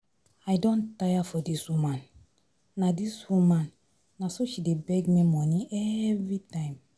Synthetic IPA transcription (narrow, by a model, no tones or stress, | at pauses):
ajdɔ̃ntajafɔdiswumãn | nadiswumãn | nasoʃidebɛɡmimɔnĩɛvɹitãɪ̃m